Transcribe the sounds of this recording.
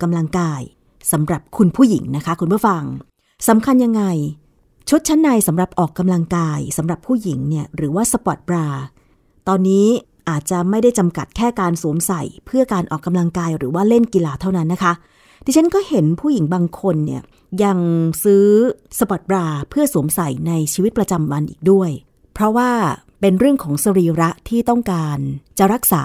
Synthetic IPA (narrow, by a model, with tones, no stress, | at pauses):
kːa˧mla˧ŋkaː˧j | sa˩˦mɾa˨˩p̚kʰu˧npʰuː˥˩jḭ˩˦ŋna˦˥kʰa˦˥kʰu˧npʰːfa˧ŋ | sa˩˦mkʰa˧nja˧ŋːa˧j | t͡ɕʰu˦˥t̪̚t͡ɕʰa˦˥nːa˧jsa˩˦mɾa˨˩p̚ʔɔː˨˩kːa˧mla˧ŋkaː˧jsa˩˦mɾa˨˩pʰːuː˥˩ji˩˦ŋni˥˩ɐɾɯː˩˦waː˥˩sa˧pɔ˨˩t̪̚pɾaː˧ | t̪ɔː˧nːiː˦˥ | ʔaː˨˩t̪̚t͡ɕa˨˩ma˥˩jda˥˩jt͡ɕa˧mka̰˨˩t̪̚kʰɛː˥˩kaː˧nsuː˩˦msa˨˩jpʰɯ˥˩ɐkaː˧nʔɔ̰ː˨˩kːa˧mla˧ŋkaː˧jɾɯː˩˦waː˥˩le˥˩nki˧laː˧t̪ʰa˥˩wna˦˥nːa˦˥kʰa˦˥ | di˧t͡ɕʰa˦˥nkɔː˥˩he˩˦npʰuː˥˩ji˨˩˦ŋbaː˧ŋkʰo˧nːḭ˦˥˩ɐ | ja˧ŋsɯː˦˥sa˧pɔ˨˩t̪̚bɾaː˧pʰɯ˥˩əsu˩˦msa˨˩jna˧jt͡ɕʰiː˧wi˦˥t̪̚pɾa˧t͡ɕa˧mwa˧nʔḭː˨˩k̚du˥˩əj | pʰɾɔ˦˥waː˥˩ | pe˧nɾɯ˥˩əŋkʰɔː˩˦ŋsa˧ɾiː˧ɾa˦˥ʔt̪ʰiː˥˩t̪ɔ˥˩ŋkaː˧nt͡ɕa˨˩ɾa˦˥k̚sa̰ː˩˦